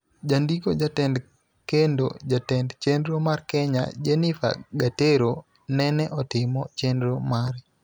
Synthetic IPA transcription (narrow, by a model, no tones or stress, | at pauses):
d͡ʒandikod͡ʒatɛnd | kendo̰d͡ʒatɛndt͡ʃendɾomarkɛɲa̰d͡ʒenɪfa̰ɡateɾo | nɛnɛʔɔtɪmɔt͡ʃendɾomaɾ